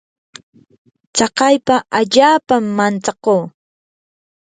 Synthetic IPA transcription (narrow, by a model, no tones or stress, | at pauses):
t͡sɑqɑjpaʔaʎaːpamːant͡sɑqoː